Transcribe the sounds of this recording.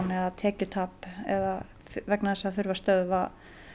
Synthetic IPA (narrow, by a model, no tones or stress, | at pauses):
nɛðat̪ʰɛːcʏt̪ʰaːpɛða | vɛknaθɛsːaθʏɾvast̪œðva